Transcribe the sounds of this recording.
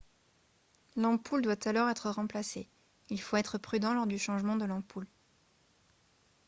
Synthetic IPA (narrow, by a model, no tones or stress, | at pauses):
lɑ̃pʰuld̪wat̪alɔʁɛt̪χəʁɑ̃plase | ilfoɛt̪χəpχyd̪ɑ̃lɔʁd̪yʃɑ̃ʒmɑ̃d̪əlɑ̃pul